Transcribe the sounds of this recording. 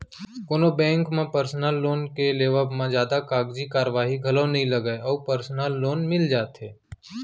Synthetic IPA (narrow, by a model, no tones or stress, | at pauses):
koːnobɛ̃ːŋkmẽpəɾsnəlːoːnkeleːʋəbmãzjaːd̪akaːɡd͡ʒikaːɾəʋaːɦiɡʱɐlõnɐɦĩlɐɡəeɔːpəɾsnəlːoːnmɪld͡ʒaːt̪ɦeː